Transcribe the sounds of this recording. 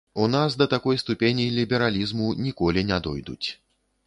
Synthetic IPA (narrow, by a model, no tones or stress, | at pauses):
unasd̪ɐt̪akɔjst̪upʲenʲilʲibʲɛɾalʲizmunʲikɔlʲinʲɛd̪ɔjd̪ṵt͡sʲ